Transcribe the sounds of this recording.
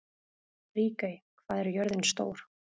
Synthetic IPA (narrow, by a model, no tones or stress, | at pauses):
riːkajkʰvaːðɛɾjœɾðɪnst̪o̰ːwɾ̥